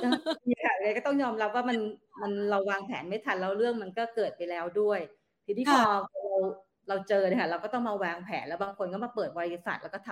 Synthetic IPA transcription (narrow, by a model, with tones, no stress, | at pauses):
aː˧˩iː˧˨˩kʰa˥˩˨a˧kɔː˥˩t̪ɔ˥˩ŋjɔː˧mɾa˦˥p̚waː˥˩ma˧nma˧nɾa˧wːaː˧ŋpʰɛ̰ː˩˦nma˥˩jt̪ʰa˧nlɛ˦˥wɾɯ˥˩əŋma˧nkɔː˥˩kɤː˨˩t̪̚pa˧jlɛː˦˥wdu˥˩əj | t̪ʰiː˧iː˥˩pʰːɔː˧˩ɾa˧w | ɾa˧wt͡ɕɤː˧na˧˩kʰa˥˩ɾa˧wkɔː˥˩t̪ɔ˥˩ma˧waː˧ŋpʰɛ̰ː˩˦nlɛ˦˥wbaː˧ŋkʰo˧nkɔː˥˩ma˧˩pɤː˨˩t̪̚ɔa˧i˧˩sa̰˨˩t̪lːkɔː˥˩˧